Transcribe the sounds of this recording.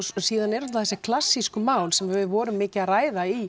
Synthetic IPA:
siːðanɛɾʏnt̪aθɛsːɪkʰlasːiskʏmaːwlsɛmhɛvɪðvɔːɾʏmːɪːcɪaraːjðai

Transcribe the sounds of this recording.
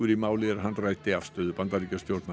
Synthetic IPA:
ʏɾimaːwlɪɛɾɦanrajt̪ɪafst̪œːðʏbant̪aɾicast̪jowɾt̪na

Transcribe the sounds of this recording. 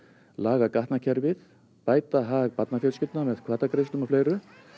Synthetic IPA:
laːɣakaht̪nacʰɛɾvɪð | paːjt̪aɦaɣpat̪nafjœlscɪlt̪namɛðkʰvaːt̪akɾejst̪ʏmafleːjɾʏ

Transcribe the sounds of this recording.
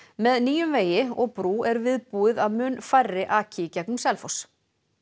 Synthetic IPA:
mɛðniːjʏmveːjɪɔɣpɾuːɛɾvɪðpuːɪðaðmʏnfajrːɪʔaːcʰɪcɛknʏmsɛlfows

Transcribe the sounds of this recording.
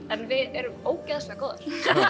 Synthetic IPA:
ɛnvɪðɛɾʏmoːwcɛðasakɔːðɪɾ̥

